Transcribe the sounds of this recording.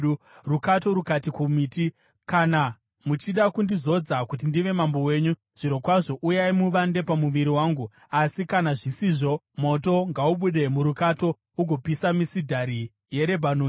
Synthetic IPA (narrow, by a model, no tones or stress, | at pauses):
rukato̞ɾukatikumiːti | kana | mut͡ʃiɗakundizo̞d͡zakut̬indiʋe̞mambo̞we̞ːɲu | ʐ̥iɾo̞kwaʐo̞ʔujaimuʋande̞pamuʋiɾiwaːŋɡu | asikanaʐisiʐo̞ | mo̞to̞ŋɡauɓuɗe̞muɾukato̞ | uɡʱo̞pisamisidʱaɾi | je̞ɾe̞bʱanoː